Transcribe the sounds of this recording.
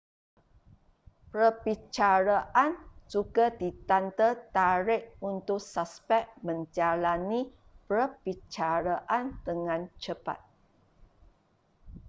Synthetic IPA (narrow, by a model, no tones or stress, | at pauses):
pɾəbit͡ʃaɾaʔand͡ʒuɡadit̪ant̪ət̪aɾɪʔunt̪ʊksaspɛk̚mə̃ɲd͡ʒalani | pəbit͡ʃaɾaʔandəŋãnt͡ʃəpa̰t̪̚